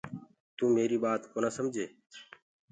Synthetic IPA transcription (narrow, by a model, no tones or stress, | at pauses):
t̪ũːmeːɾiːɓaːt̪koːnaːsəmd͡ʒʱeː